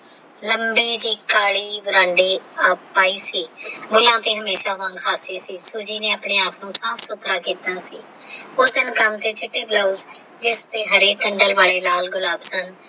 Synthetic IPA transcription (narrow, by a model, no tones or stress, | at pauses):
ləmbeːd͡ʒiːkaːɽiːbʊɾãːɳɖiːaːpaːiːsiːbʊlãːt̪eːɦəmeːʃaːʋãŋɡɦaːseːsiːsuːd͡ʒiːneːaːpɳeːaːpnũːsaːpʰsʊt̪ɾaːkiːt̪aːsiːʊsd̪ɪnkəmt̪eːt͡ʃɪʈːiːbləːz | d͡ʒɪst̪eːɦəɾeːʈəɳɖəlʋaːleːlaːlɡʊlaːbsən